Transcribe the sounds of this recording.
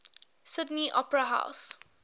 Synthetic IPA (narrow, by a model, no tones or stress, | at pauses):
sɪdniʔɔ̰pɾaɦa̰ʊs